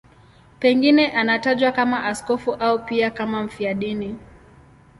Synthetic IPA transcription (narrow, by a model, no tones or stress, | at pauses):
pɛŋɡinɛʔanataʄwakamaʔaskɔfuʔaupiakamam̩fiaɗini